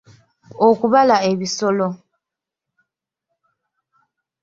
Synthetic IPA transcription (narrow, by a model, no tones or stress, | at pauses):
okuβalaeβisolo